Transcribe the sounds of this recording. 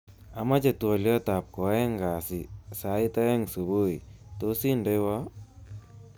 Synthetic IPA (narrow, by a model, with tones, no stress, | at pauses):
a˨ma˦t͡ʃe˨twɔ˨ljɔ˦ta˨p̚kɔ˨ɛ˦ŋɡa˨si˨sa˨˦i˦ta˦ɛ˦ŋsu˨bo˦i˨to˦si˦nde˦wa˦